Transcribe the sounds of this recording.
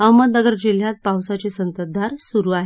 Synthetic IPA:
əwməd̪əɡəɾd͡ʑil̤jat̪̚pawsat͡sesənt̪əd̪aɾsuɾuːaɦe

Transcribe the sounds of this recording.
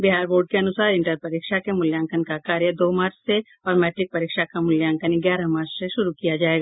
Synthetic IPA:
bɪɦaːɾboːɖ̚keɐnʊsaːɾɪ̃ɳʈəɾpɐɾiːkʃakemʊljãːŋkʰənkakaːɾjəd̪oːmaːɾt͡ʃse | ɔːɾmɛːʈɾɪk̚pɐɾiːkʃakamʊljãːŋkʰəniɡjaːɾɐmaːɾt͡ʃseʃʊɾukijad͡ʒaːeːɡaː

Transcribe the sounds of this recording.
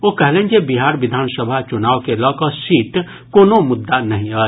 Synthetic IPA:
okɛɦlẽːd͡ʒebiɦaːɾʋɪd̪ʱaːnsəbʱat͡ʃʊnaːʋkelɔkəsiːʈ | koːnomʊd̪ːanɐɦĩəː

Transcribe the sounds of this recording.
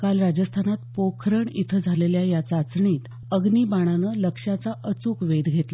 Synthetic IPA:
kalɾad͡ʑəst̪ʰanat̪pokʰɾəɳit̪ʰəd͡zʱaleljajat͡sat͡sɳiːt̪ | əɡniːbaɽ̃anələkʂat͡saʔət͡suːkʋed̪ɡʱet̪la

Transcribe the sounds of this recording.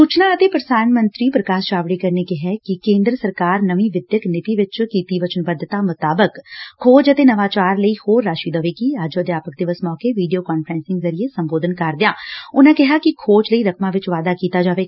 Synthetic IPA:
ssuːt͡ʃnãːət̪eːpəɾəsaːnmənt̪ɾiːpɾəkaːsʃaːʋɽiːkəɾneːkɪɦɛːkɪkẽːnd̪ɾəsəɾkaːɾnəʋĩːʋɪd̪jəknɪt̪iːʋɪt͡ʃkiːt̪iːʋət͡ʃənbəd̪t̪aːmʊt̪aːbəkkʰːoːd͡ʒət̪eːnəʋaːt͡ʃaːɾləiːhoːɾːaːʃiːd̪əʋeːkiːəd͡ʒoəd̪jaːpək̚d̪ɪʋəsmɔːkeːʋiːɖijoːkaːnpʰəɾɛ̃ːnsɪ̃ŋɡzəɾieːsəmboːd̪ənkəɾd̪ɪãːʊnãːkɪɦaːkɪkʰoːt͡ʃləiːɾəkʰmãːʋɪt͡ʃʋaːd̪aːkiːt̪aːd͡ʒaːʋeː

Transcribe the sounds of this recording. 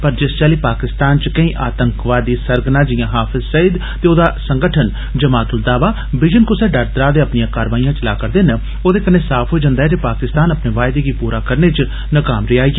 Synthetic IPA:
pəɾd͡ʒɪst͡ʃaːliːpaːkɪst̪aːnt͡ʃkəĩːʔaːt̪əŋkʋaːd̪iːsəɾɡnãːd͡ʒɪjãːɦaːpʰɪzsəid̪ | t̪eːoːd̪aːsəŋɡəʈʰən | d͡ʒəmaːt̪ʊld̪aːʋaː | ʋɪd͡ʒənkʊsɛːɖəɾt̪ɾaːd̪eːəpnɪjãːkaːɾʋaːijãːt͡ʃəlaːkəɾd̪eːnə | oːd̪eːkənẽːsaːpʰɦoːid͡ʒə̃nd̪aːɛːd͡ʒepaːkɪst̪aːnəpneːʋaːjd̪eɡiːpuːɾaːkəɾneːt͡ʃ | nəkaːmɾeaːiː

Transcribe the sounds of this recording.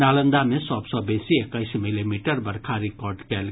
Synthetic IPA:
alʌnd̪amesʌbsʌbesiekajsmilimiʈʌrbʌɾkʰaɾikɔrɖkel

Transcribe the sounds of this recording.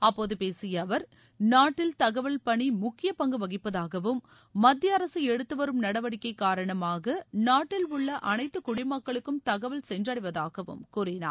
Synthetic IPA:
ɐpːoːðɯpeːsɪjɐʋɐɾ | naːʈːɪlt̪ɐɣɐʋɐlpɐɳimʊkːɪjɐpɐŋɡɯʋɐɣɪpːɐðaːɣɐʋɯmː | ɐd̪jɐɐɾɐsɯɛɽɯt̪ːɯʋɐɾɯmnɐɽɐʋɐɽɪkːɐɪkːaːɾɐɳɐmaːɣɐnaːʈːɪlʊɭːɐʔɐnɐɪt̪ːɯkʊɽɪmɐkːɐɭɯkːɯmt̪ɐɣɐʋɐlsɛndrɐɽɪʋɐðaːɣɐʋɯ̰mkʊrɪna̰ː

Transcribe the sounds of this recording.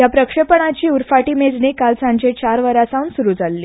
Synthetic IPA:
japɾəkʂəpəɳat͡ɕiːuɾfaʈiːmed͡znekalsãɲd͡ʑet͡ɕaɾʋəɾasãunsuɾud͡zalːiː

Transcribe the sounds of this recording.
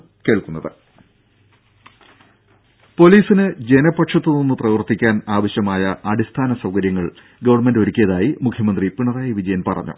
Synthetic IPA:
ke̞ːɭkunːɐðɨ | po̞liːsinɨd͡ʑe̞nɐpːɐʈʂɐt̪ːɨnonːuprɐʋɐrt̪ːikʲːaːnaːʋɐɕjɐmaːjɐʔɐɽist̪ʰaːnɐsɐwkɐɾjɐŋːɐɭ | ɡɐʋɐrɳmendo̞ɾukʲːijɐðaːjimukʰjɐmɐnd̪ripiɳɐraːjiʋid͡ʑɐjɐnpɐrɐ̰ɲːṵ

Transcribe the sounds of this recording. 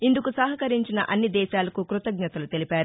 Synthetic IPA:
ind̪ukusɐɦɐkɐɾiɲt͡ʃinɐ̰ʔɐnːid̪ɛːʃaːlɐkukɾut̪ɐɡɲɐt̪ɐlut̪e̞lipaːɾu

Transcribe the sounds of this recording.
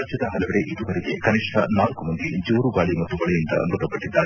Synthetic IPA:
d͡ʒjɐd̪ɐɦɐlɐʋɐɾeʔid̪uʋɐɾiɡekɐniʂʈʰɐnaːlkumɐnd̪id͡ʒuːɾuɡaːɭimɐt̪ːuʋɐɭɛjind̪ɐ̰nɾut̪ːɐpɐʈːid̪ːaːɾe

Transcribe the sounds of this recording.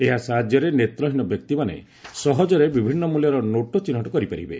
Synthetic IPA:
eɦasad͡ʒjɔɾenet̪ɾɔɦinɔbjɔk̚t̪imanḛ | sɔɦɔd͡ʒɔɾebibʱinːɔmuljɔɾɔnoʈot͡ʃinɦɔʈɔkɔɾipaɾḭbe

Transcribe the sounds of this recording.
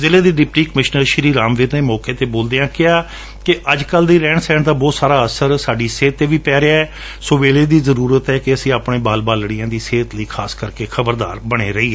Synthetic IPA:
zɪleːd̪iːɖɪp̚ʈiːkəmɪʃnəɾʃəɾiːɾaːmʋɪːt̪neːmɔːkeːt̪eːboːld̪eːjãːkɪaː | kɪʔəd͡ʒkəld̪iːɾɛ̃ːɳsɛːɳd̪aːbɔːt̪saːɾaːəsəɾsaːɖiːseːt̪ːeːʋiːpɛːɾeaːɛː | soːʋeːleːd̪iːzəɾuːɾət̪ɦɛːkɪəsĩːaːpɳẽːbaːlbaːlɽiːãːd̪iːseːt̪liːkʰaːskəɾkeːkʰəbəɾd̪a̰ːɾbəɽ̃eːɾəiːɦɛː

